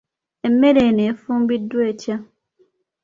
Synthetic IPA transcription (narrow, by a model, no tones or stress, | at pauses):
emːeɾeneːfuːmbidːweːca